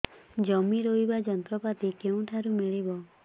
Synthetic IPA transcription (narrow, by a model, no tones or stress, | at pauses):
d͡ʒɔmiɾoɦibad͡ʒɔnt̪ɾɔpat̪ikeũʈʰaɾumiɭibɔ